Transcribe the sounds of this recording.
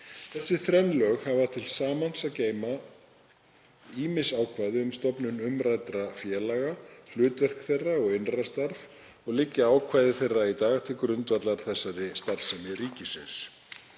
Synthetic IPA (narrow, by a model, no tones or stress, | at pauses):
θɛsːɪθɾɛnlœːɣhavat̪ʰɪlsaːmansaðceːjma | iːmɪsaːwkʰvaːjðɪʏmst̪ɔpnʏnʏmɾajt̪ɾafjɛːlaɣahlʏːt̪vɛr̥kθejrːaɔɣɪnrast̪aɾv | ɔɣlɪcːɪaːwkʰvaːjðɪθejrːait̪aːɣt̪ʰɪlkɾʏnt̪vat̪laɾ̥θɛsːaɾɪst̪aɾ̥sɛmɪriːcɪsɪ̰ns